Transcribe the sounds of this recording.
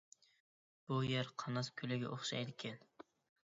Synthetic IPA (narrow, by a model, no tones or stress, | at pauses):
b̥ʊjeɾqʰɑnɑskʲʰɵlɪɡʲa̰ʔoχʃa̰jd̪ɪkʲʰan